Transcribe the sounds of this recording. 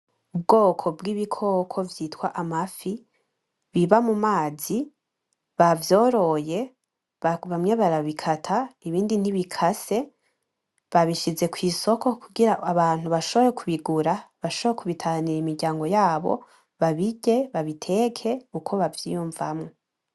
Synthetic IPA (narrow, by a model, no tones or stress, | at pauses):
ubɡo̞ːkʰo̞bɡiβikʰo̞kʰo̞vjitwaʔamafi | βiβamumaːzi | βavjo̞ːɾo̞je̞ | aβamŋe̞βaɾaβikʰatʰaiβiːndin̥iβikʰase̞ | βaβiʃize̞kwiːso̞kʰo̞kʰuɡiɾaaβaːn̥huβaʃo̞βo̞jekʰuβiɡuɾaβaʃoβojekʰuβitʰaniɾimiɾɟaːŋɡo̞jaːβo̞̰ | βaβiɟe̞βaβitʰe̞kʰe̞ukʰo̞βavjijuɱvamŋo